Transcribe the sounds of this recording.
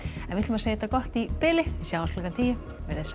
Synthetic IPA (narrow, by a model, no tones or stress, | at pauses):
ɛnvɪht̪lʏmaseːjɪɛt̪akɔht̪ipɪlɪisjaːwanslɔkant̪ʰiːjɪ | vɛɾɛs